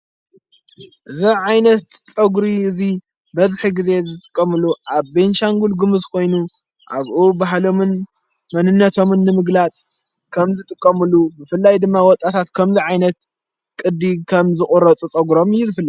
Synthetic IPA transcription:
ʔɨziʕajnɐt̪t͡sʼɐɡɾiɨzi | bɐzħiɡize̞zɨt̪ʼɨ̥kʼːɐmɨluʔaβbenʃaŋɡulɡɨmɨzkʰo̞jnu | ʔa̰βʔubaɦlo̞mɨn | mɐnɨnːɐt̪ʰo̞mɨnːɨmɨɡlat͡sʼ | kʰɐmzɨt̪ʼɨkʼːɐmɨlubɨfɨlːajd̪ɨmːawɔt̪ʼːat̪ʰat̪kʰɐmziʕajnɐt̪ | kʼɨd̪ikʰɐmzɨχʼuɾɐt͡sʼut͡sʼɐɡuɾo̞mɨjːuzɨfɨlːaj

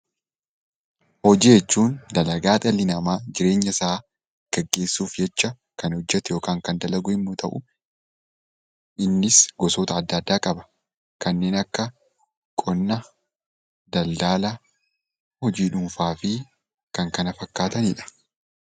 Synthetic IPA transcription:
hɔd͡ʒiːjɛt͡ʃːuːnd̪ɐlɐɡaːt̪ʼɐlːɪnɐmaːd͡ʒɪɾe̞ːɲːɐsaː | ɡ̥ɛɡːe̞ːsːuːfd͡ʒɛt͡ʃːɐ | kɐnhɔd͡ʒːɛt̪ɛjo̞ːkaːŋkɐnd̪ɐlɐɡʊɪmːut̪ʰɐʔʊ | ʔɪnːɪsɡɔsoːt̪ɐːd̪ːɐd̪ːaːkʼɐbɐ̥ | kɐnːe̞ːnɐkːɐ | kʼɔnːɐ | d̪ɐld̪aːlɐ | hɔd͡ʒiːᶑʊmfaːfɪ | kɐŋkɐnɐfɐkːaːt̪ɐnɪᶑɐ̥

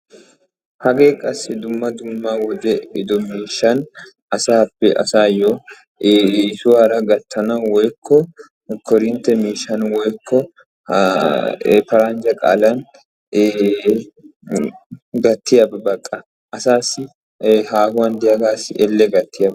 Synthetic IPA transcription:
hɐɡeːkʼɐsɪd̪ʊmːɐd̪ʊmːawɔd̪ɛɪd̪ɔmiːʃːɐn | ɐsaːpːɛʔɐ̰saːjo | sʊaɾɐɡɐt̪ʰːɐnɐwɔjkʰːɔ | kɔɾɪnt̪ɛmiːʃɐnwɔjkʰːɔ | pɐɾand͡ʒɐkʼa̰ːlɐn | ɡɐt̪ʰːɪjɐbɐbɐkʼːɐ | ʔɐsaːsɪ | haːhʊwɐnd̪ɪjɐɡaːsɪʔɛlːɛɡɐt̪ʰːɪjɐbɐ

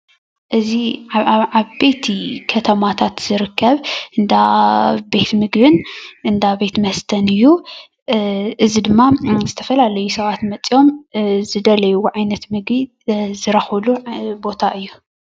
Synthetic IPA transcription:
ʔɨzi | aβbe̞t̪ʰikʰɐt̪ʰɐmat̪ʰat̪z̥ɨɾɨkʰːɐβʔɨnd̪abe̞t̪mɨɡbɨnʔɨnd̪abe̞t̪mɐst̪ʰɐnɨjːu | ʔɨzid̪ɨmːazɨt̪ʰɐfɐlalɐjusɐβat̪mɐt͡sʼijo̞mzɨd̪ɐlɐjuʕajnɐt̪mɨɡbi | zɨɾɐxɐlubo̞t̪ʰaʔɨjːu

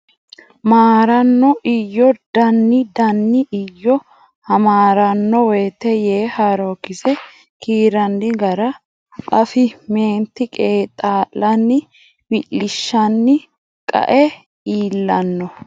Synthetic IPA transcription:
maːɾɐnːɔʔɪjːɔd̪̥ɐnːɪd̪ɐnːɪʔɪjːɔ | hɐmaːɾɐnːɔwɛːt̪ɛjeːhaɾoːkːɪsɛ | kiːɾɐnd̪ɪɡɐɾɐ | ʔɐfɪme̞ːnt̪ːɪkʼeːt̪ʼaːlːɐnːɪ | wɪlːɪʃːɐnːɪ | kʼɐ̰ʔɛ | iːlːɐnːɔ

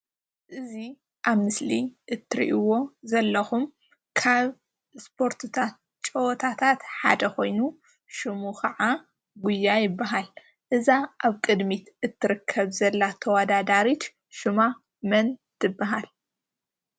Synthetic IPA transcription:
ʔɨzi | ʔaβmɨsliʔɨt̪ʰːɨɾḭʔiwo̞zɐlːɐxum | kʰaβ | spʰo̞ɾt̪ʰɨt̪ʰat̪̚ | t͡ʃʼɐwɔt̪ʰat̪ʰat̪ħa̰d̪ɐxo̞jnu | ʃɨmukʰɐʕa | ɡʊjːajɪbːaɦal | ʔɨzaʔaβkʼɨd̪mit̪ʔɨt̪ʰːɨɾɨkʰːɐβzɐlːat̪ʰɐwad̪ad̪aɾit͡ʃ | ʃɨma | mɐnt̪ʰɨbːaɦal

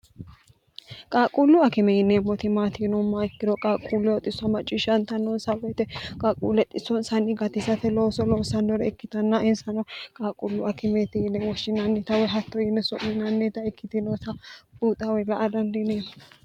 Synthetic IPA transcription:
kʼaːkʼulːʊɐkɛmɛjɪneːmːɔt̪ɪmaːt̪inɔmːaɪkːɪd̪ɔkʼaːkʼuːlːɛɔt̪ʼɪsɔmɐt͡ʃʼːɪʃɐnt̪ɐnːɔnsɐwɛt̪ɛkʼaːkʼṵːlɛt̪ʼɪsɔnsɐnːɪɡɐt̪ɪsɐt̪ɛloːsɔloːsɐnːɔɾɛɪkːɪt̪ɐnːaɪnsɐnɔkʼaːkʼʊlːʊʔɐkɛmɛt̪ɪjɪnɛwɔʃːɪnɐnːet̪ɐwɔɦɐt̪ːɔjɪnːɛsʊʔinɐnːet̪ɐɪkːɪt̪ɪnosɐbuːt̪ʼɐwɔlɐʔɐd̪ɐnd̪ɪneːmɔ

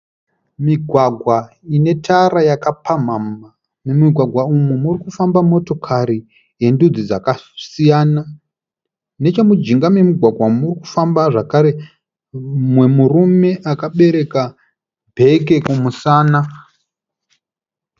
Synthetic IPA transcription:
miɡʱwaɡʱwa | ine̞tʰaɾajakapam̤ama | memiɡʱwaɡʱwaumumurikufambamo̞to̞kʰaɾi | je̞ndud͡zid͡zakasijaːna | ne̞t͡ʃamud͡ʒiŋɡame̞miɡʱwaɡʱwamuriku̥fambaʐakaɾe̞ | mwe̞murume̞ʔakaɓe̞ɾe̞ka | bʱe̞k̬e̞kumusaːna

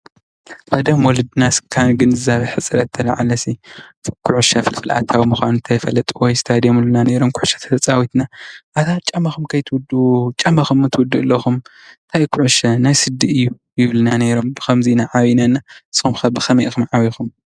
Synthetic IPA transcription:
ʔʼɐd̪ɐmwɔlɨd̪ɨnaskʰanɡɨnzɨzaβɐjħɨt͡sʼɨɾɐt̪ʰːɐlaʕalɐsikʰʊʕuʃɐfɨlfɨlʔa̰t̪ʰawimɨxʷanunt̪ʰɐjfɐlɐt̪ʼuwɔjst̪ʰad̪emulɨnane̞ɾomkʰʊʕuʃɐ̥t̪ʰɐ̥t̪ʰɐt͡sʼawit̪naʔat̪ʰat͡ʃʼɐmːaxumkʰɐjt̪ʰwʊd̪ut͡ʃʼɐmːaxumːɨt̪ʰɨwʊd̪uʔɨlːɐxumt̪ʰajkʰʊʕuʃɐnajsɨd̪ːiʔɨjːu | jɪβlɨnane̞ɾo̞mbɨxʰɐmzinaʕaβinanːaʔɨsxumxɐbɨxɐmɐjʔxumʕaβixum

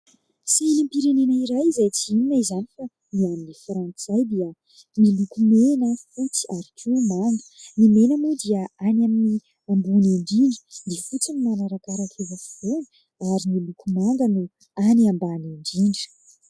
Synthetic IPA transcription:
sinimpiɾenenaiɾajizajt͡siininaizanifa | niaminifɾant͡sajd̪iə | milukumenəfut͡si̥aɾikʰumaŋɡə̥nimenəmud̪iəanamini | ambuneɳɖ͡ʐiɳɖ͡ʐi̥d̪iəfut͡sinimanaɾakaɾak̪ʰevəfi̥v̥unə̥ | aɾimilukumaŋɡənu | aniambaneɳɖ͡ʐiɳɖ͡ʐə̥

